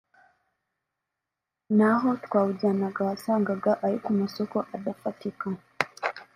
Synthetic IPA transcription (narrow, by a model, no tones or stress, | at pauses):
naɦotkwaːwuɟanaɡaasaːŋɡaɡaʔaɾikumasokoʔadafatika